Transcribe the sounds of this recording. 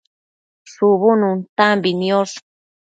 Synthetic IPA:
ʂuβunũnt̪ambinĩoʂ

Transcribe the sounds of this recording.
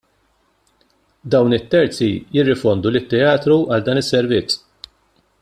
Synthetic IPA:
d̪ɐwnɪt̪ːɛɾt͡sijɪrːɪfɔnd̪ulɪt̪ːɛɐːt̪ɾuʔɐld̪ɐːnɪsːɛɾvɪt͡sː

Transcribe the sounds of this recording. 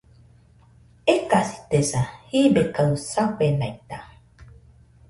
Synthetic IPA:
ekasi̥t̪esahibekasaɸenait̪a

